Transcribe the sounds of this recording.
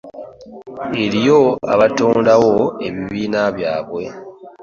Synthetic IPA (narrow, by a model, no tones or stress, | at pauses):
eɾijo̞a̰βatoːndawoe̞βiβiːnaβjaːβwe̞